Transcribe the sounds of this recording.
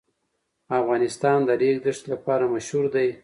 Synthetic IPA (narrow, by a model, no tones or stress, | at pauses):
afɣɑnɪst̪ɑnd̪əlek̚d̪ɪʂt̪lapɑɾamaʃhuɾd̪aj